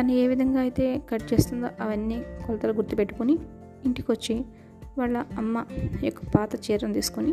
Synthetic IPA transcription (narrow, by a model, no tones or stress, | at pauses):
t̪ɐnːie̞ːʋid̪ʱɐŋɡaːɐjit̪e̞ːkɐʈt͡ʃe̞ːst̪und̪o̰ːʔɐʋɐnːikɔlɐt̪ɐluɡuɾt̪ipe̞ʈːu̥kuniː | ɳʈikiʋɐt͡ʃːi | ʋaːɭːɐɐmːɐjokːɐ̥paːt̪ɐt͡ʃɛːɾɐnt̪iːsu̥kuni